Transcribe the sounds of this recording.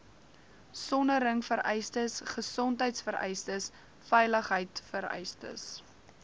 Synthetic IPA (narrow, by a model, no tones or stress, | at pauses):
sɔnəɾəŋfəɾɛjstəsχəsɔntɦəjtsfəɾɛ̰jstəs | fɛjləχɦəjtfəɾɛ̰jstə̰s